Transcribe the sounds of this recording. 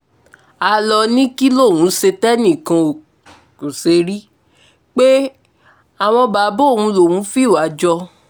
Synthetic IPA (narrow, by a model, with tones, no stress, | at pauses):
a˧lɔ˧nĩ˦ki˦lo˦˨wũ˨˦se˧tɛ˦nĩ˦˨kã˧o˨ | ku˨se˧ɾi˦ | k͡pe˦ | a˨w̃ɔ̃˧ba˨˦bo˦˨wũ˧lo˨wũ˨˦fi˦˨wa˨˦d͡ʒɔ˧